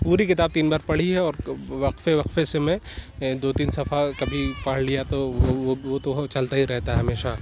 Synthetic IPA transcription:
puːɾikɪt̪aːb̚t̪iːnbaːɾpɐɽ̤iɦɛɔːɾʋɐqfeʋɐqfesemɛ̃ | d̪oːt̪iːnsɐfakɐbʱipaːɽ̤lijat̪oʋot̪ot͡ʃɐlt̪aɦiɾɛɦt̪aɦɛɦɐmeːʃa

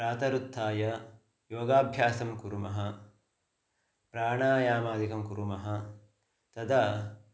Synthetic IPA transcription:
pɾaːt̪ɐɾut̪ʰːaːjɐ | joːɡaːbʱjaːsɐmkuɾumɐɦɐ | pɾaːɳaːjaːmaːd̪ikɐmkuɾumɐɦɐ | t̪ɐd̪ɐ

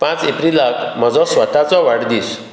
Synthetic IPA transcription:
pãt͡sepɾilakʰm̤əd͡zɔsʋət̪at͡sɔʋaɽd̪iːs

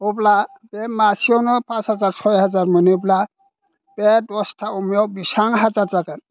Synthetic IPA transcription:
obla | bɛmasiɔnɔpãshazaɹsʰɔjɦazaɹmɯnibla | b̥ɛdɔstʰaumijɔbisaŋɦazaɹtakan

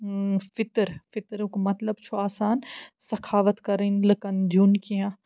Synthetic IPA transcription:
fɪt̪ɾfɪt̪ɾukmɐt̪ləbt͡ʃʰuaːsaːnsɐkʰaːʋət̪kɐɾənləkənd̪ʱuːnkijãː

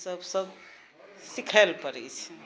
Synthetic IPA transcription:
səbsəb | sikʰəlpəɾɛ̰t͡ʃʰɛ̥

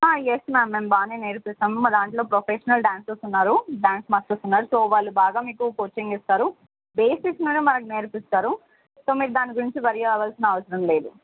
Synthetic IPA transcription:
ajesmaːmːe̞ːmbaːneːne̞ːɾipist̪ɐːmɐd̪aːɳʈlo̞ːpɾopʰeːʃɐnɐlɖjaːnsesunːaːɾuɖjaːnsmɐt͡ʃust̪unːaːɾusoːʋaːɭːubaːɡaːmiːkukot͡ʃiŋɡist̪aːɾu | be̞ːsiksnunimɐnɐk̬ine̞ːɾpist̪aːɾu | soːmiːɾud̪aːniɡuɾiɲt͡ʃibɐɾijaʋaːlsinɐɐʋɐsɐɾɐmle̞ːd̪u

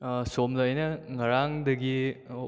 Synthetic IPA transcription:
somlɐːjnɐŋɐɾaŋdɐɡi

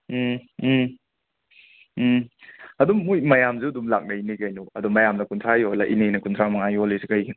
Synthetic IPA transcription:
ɐdumːujmɐjamzuɐdumlak̚nɐinikɐjnuɐdumɐjamnɐkuntʰɾajolaʔinejnɐkuntʰɾamɐŋajolisikɐj

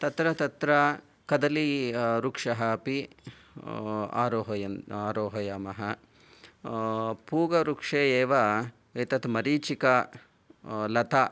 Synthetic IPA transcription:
t̪ɐt̪ɾɐt̪ɐt̪ɾɐ | kɐd̪ɐliɾukʂɐɦɐpi | a̰ːɾoːɦɐjɐaːɾoːɦɐjaːmɐɦɐ | puːɡɐɾukʂeːeːʋɐ | eːt̪ɐt̪ʰmɐɾiːt͡ʃikɐ | lɐt̪ʰɐ

